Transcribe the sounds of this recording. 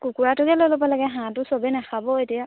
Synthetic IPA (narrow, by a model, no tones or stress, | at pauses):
kukuatuɡɛlolopɔlɛkɛɦãtusobenɛxabɔetija